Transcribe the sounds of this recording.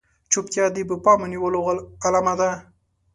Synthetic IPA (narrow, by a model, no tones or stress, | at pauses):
t͡ʃupt̪jɑd̪ibəpɑməniwəloalamad̪a